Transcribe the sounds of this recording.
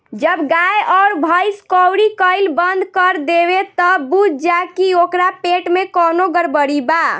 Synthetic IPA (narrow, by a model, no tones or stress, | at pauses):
d͡ʒəbɡajɔʊɾbʱəjskɔwɾikəɪlbənd̪ʱkəɾd̪eβet̪ɔbud͡ʒd͡ʒakiokɾapeʈmekɔnoɡəɾbəɽiba